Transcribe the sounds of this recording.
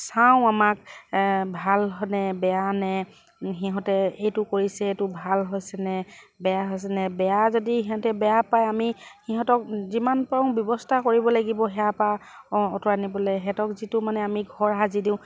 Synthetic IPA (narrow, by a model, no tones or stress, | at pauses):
saʊ̃amak | bʱalɦɔnɛbɛjanɛ | ɦiɦɔ̃tɛejtʊkoɹisɛetʊbʱalɦojsɛnɛbɛjaɦojs̬ɛnɛbɛjazodiɦiɦɔ̃tɛbɛjapajamihiɦɔ̃tɔk̚zimanpaʊ̃bjɔbɔstʰakoɹibɔlaɡibɔɦɛjapaɔtɔɹanibɔlɛɦɛtɔkzitʊmanɛamiɡʱɔɹɦazidĩʊ̃